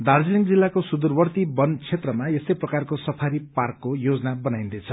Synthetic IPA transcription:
d̪ard͡ziliŋɡd͡zilːakosud̪urbʌrt̪ibʌnt͡sʰet̪rʌmaesʌjprʌkarkosʌpʰaɾiparkːojod͡zʌnabʌnaj̃nd̪ʌt͡sʰʌ

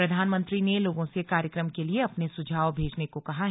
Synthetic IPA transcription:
ɾɐd̪ʱaːnmə̃nt̪ɾineloːɡõsekaːɾjəkɾəmkelieɐpnesʊd͡ʒʱaːʋbʱeːd͡ʒnekokɐɦaɦ

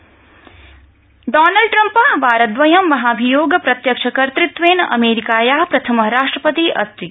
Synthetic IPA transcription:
ɖaːnɐlɖ̚ʈɾɐmpɐbʱaːɾɐt̪ʋɐjɐmːɐɦaːbʱijoːɡɐpɾɐt̪jɐkʂɐkɐɾt̪ɾit̪ʋeːnɐ̰meːɾikaːjaːpɾɐt̪ʰɐmɐɾaːʂʈɾɐpɐt̪iʔɐ̰st̪ɾi

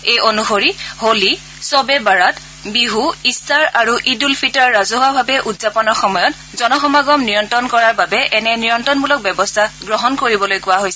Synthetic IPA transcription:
ejonuxoɹiholi | sɔbɛbaɹat | biɦuistaɹaɹuʔidulpʰitɔɹːazuɦabʱabɛʔudzapɔnɔɹxɔmɔjɔt | zɔnɔxɔmaɡɔmnijɔntɔnkɔɹaɹbabɛʔɛnɛnijɔntɔnmulɔk̚bɛbɔstʰaɡɹɔɦɔnkoɹibɔlojkʊwaɦojsɛ

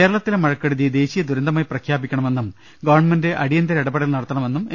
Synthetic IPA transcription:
eːɾɐɭɐt̪ːilemɐɻɐkːɐɽuðijd̪e̞ːɕijɐd̪uɾɐnd̪ɐmaːjprɐkʰjaːbikʲːɐɳɐme̞nːum | ɡɐʋɐɳmendeʔɐɽijɐnd̪ɐɾɐiɽɐbɐɽɐilnɐɽɐt̪ːɐɳɐme̞nːume

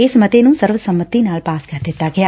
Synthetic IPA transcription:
esmət̪enũsəɾʋəsəmʋət̪ːinaːlpaːskəɾd̪ɪt̪aɡja

